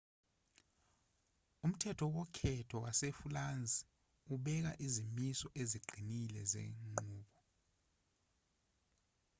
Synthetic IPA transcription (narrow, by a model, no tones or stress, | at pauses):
um̩tʰɛtʰɔwɔkʰɛtʰɔwasefuland͡zʱi | uɓɛk̬a̰ʔizimisɔʔeziɡ͡ǃʱinilɛzḛŋ͡ǃuːɓɔ